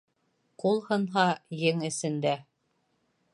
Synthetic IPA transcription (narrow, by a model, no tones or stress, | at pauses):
qulˠhɤ̆nɦɑjɘŋɘ̆sɘ̆nd̪æ